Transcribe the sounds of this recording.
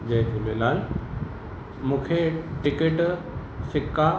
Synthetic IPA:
d͡ʑɐ̃ɦt̪ʰilelaːl | mũːkʰeʈɪkeʈ | sɪkːa

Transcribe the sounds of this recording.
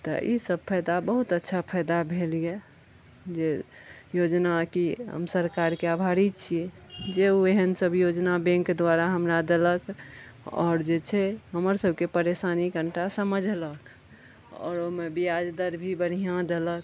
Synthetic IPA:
t̪ɔ̰ʔḭsəb̚pʰəjd̪abəɦut̪ətːʃʰapʰəjd̪abʱelije | d͡ʒejod͡ʒnakiɦə̰msəɾkaɾkeabʱaɾit͡ʃʰie | d͡ʒeueɦənsəbjod͡ʒnabɛ̃ŋkd̪wʋaɾaɦəmɾad̪elək | ɔ̰ːɾd͡ʒet͡ʃʰɛɦəməɾsəbʱkepəɾesanikəɳʈasəməd͡ʒʱlək | ɔ̰ːɾomebiad͡ʒd̪əɾbʱibəɽ̤ijãd̪elək

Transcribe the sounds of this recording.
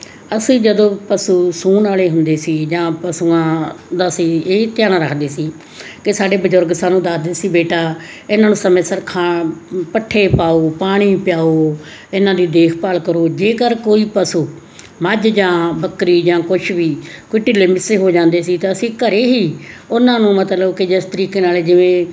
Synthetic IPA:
əsĩːd͡ʒəd̪õːpəsuːsuːnaːleːɦʊnd̪eːsiːd͡ʒãːpəsuːãːd̪aːsiːeːt̪ɪjaːɽ̃aːɾəkʰd̪eːsiː | kɪsaːɖeːbəd͡ʒʊɾɡsaːnũːd̪aːsd̪eːsiːbeːʈaː | ɪnãːnũːsəmẽːsəɾkʰãːpəʈʰːeːpaːoːpaːɽ̃iːpɪjaːoː | ɪnãːd̪iːd̪eːkʰpalkəɾoːd͡ʒeːkəɾkoːiːpəsuː | məd͡ʒd͡ʒãːbəkɾiːd͡ʒãːkʊt͡ʃʰʋiːkʊʈːiːleːmɪsːeːɦoːd͡ʒãːnd̪eːsiːt̪eːəsĩːkəɾeːɦiːʊnãːnũːmət̪ləbkɪd͡ʒɪst̪əɾiːkeːnaːleːd͡ʒɪʋẽː

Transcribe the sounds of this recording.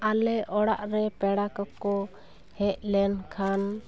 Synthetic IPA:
alɛʔɔɽaʔɾɛpɛɽakɔkɔ | hɛʔlɛnkʰan

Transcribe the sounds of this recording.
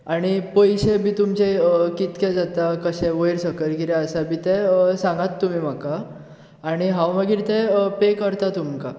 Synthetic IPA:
aɽ̃ipəjɕebiːt̪umt͡ɕekit̪kɛd͡zat̪akəɕɛ̃ʋəjɾsəkəɾkiɾɛəsabiːt̪ɛsãŋɡat̪ːum̤iːm̤akaː | ɽ̃iɦãwməɡiːɾt̪ɛpekəɾt̪at̪umka

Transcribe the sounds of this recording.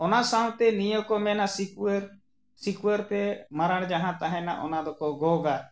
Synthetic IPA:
ɔnasaw̃t̪ɛnijɔkɔmɛnasikɾ | sikuɛɾt̪ɛmaɾaɽ̃d͡ʒaɦãt̪aɦɛ̃na̰ʔɔnad̪ɔkɔɡɔɡa

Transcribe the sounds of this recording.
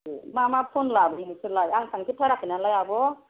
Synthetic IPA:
emamapʰonlabɔinisɯlajaŋsʰaŋkʰitʰaɾak̚ɯnalajabɔ

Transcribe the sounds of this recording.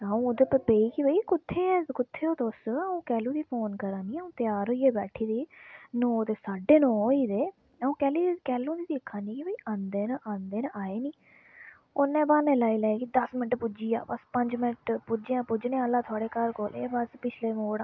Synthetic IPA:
əũːod̪eːpəpeːiːkibəiːkʊt̪ʰːeːɛːkʊt̪ʰːeːoːt̪oːsəũːkɛːlũːd̪iːpʰoːnkəɾãːniːəũːt̪ɪjaːɾɦoːiːeːbɛːʈʰiːd̪iːnoːt̪eːsaːɖeːnɔ̃ːiːd̪eː | əũːkɛːliːkɛːlũːd̪iːd̪ikʰãːniːkibəiːʔãːnd̪eːnʔãːnd̪eːnʔaːeːniː | ʊnɛ̃ːbaːnẽːlaːiːlɛːeɡid̪əsmɪnəʈpʊd͡ʒiːa̰ːbəspəɲd͡ʒmɪnəʈpʊd͡ʒãːpʊd͡ʒnẽəlːaːt̪ʰʊaːɽeːkəɾkoːlḛːbəspɪt͡ʃʰleːmoːɽaː

